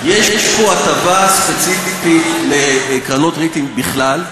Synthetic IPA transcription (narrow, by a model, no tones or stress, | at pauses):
jeʃʃpoatavaspe̞t͡sififitlekʁano̞tʁitimbiχlal